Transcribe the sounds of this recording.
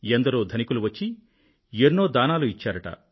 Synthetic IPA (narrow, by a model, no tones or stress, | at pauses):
end̪ɐɾoːd̪ʱɐnikuluʋɐt͡ʃːi | enːo̞ːd̪aːnaːluit͡ʃːaːɾɐʈɐ̰